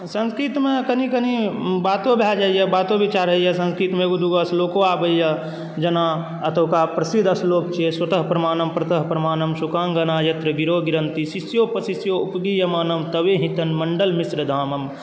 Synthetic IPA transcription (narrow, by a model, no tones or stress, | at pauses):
sə̃nskɾit̪mẽkənikənibaːt̪obʱjad͡ʒaːjjəbaːt̪õbit͡ʃaːɾɦɐijəsə̃nskɾit̪meɡud̪uɡɐsloːkoaːbəjjɐ | d͡ʒɐna | ɐt̪əkapɾɐsid̪ʱɐsloːkt͡ʃʰeswɐt̪əɦpɾɐmaːnɐmpɾɐt̪əɦpɾɐmaːnəmsukaːŋɡɐnaːjɐt̪ɾəɡiɾoːɡiɾənt̪isisjopəsisjoupɡijɐmaːnɐmt̪əʋeɦĩt̪ənmɐɳɖəlmisɾəd̪ʱaːmɐm